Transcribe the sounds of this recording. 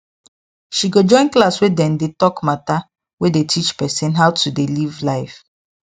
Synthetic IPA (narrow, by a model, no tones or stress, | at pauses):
ʃiɡod͡ʒɔ̃ɪ̃nklaswedɛ̃ndetɔkmata | wedetʰit͡ʃpɛsɛ̃nɦawtʰudelivlaɪf